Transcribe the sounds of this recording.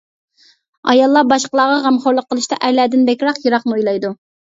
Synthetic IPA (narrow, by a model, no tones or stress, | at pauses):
ɑ̰jɑlˠːɑbɑʃqəlˠɑːʁɑʁæmχoɾlˠəqʰːəlˠɨʃt̪ɑʔæɾlɛd̪ɪnbɛkʲɾɑqjɨɾɑqnɨujlˠɑjd̪u